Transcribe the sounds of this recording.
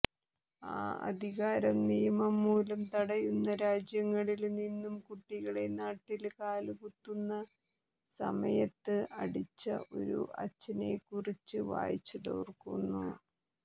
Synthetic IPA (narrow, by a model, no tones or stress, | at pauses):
a̰ːɐ̰d̪ʱiɣaːɾɐmnijɐmɐmːuːlɐmt̪ɐɽɐjunːɐɾaːd͡ʑjɐŋːɐɭilninːumkuʈːiɣɐɭe̞naːʈːilkaːlukut̪ːunːɐ | sɐ̰mɐ̰jɐt̪ːɨʔɐɽit͡ɕːɐ̰ʔo̞̰ɾṵʔɐ̰t͡ɕːɐnekːurit͡ɕːɨʋa̰ːjit͡ɕːuðo̰ːrkunːu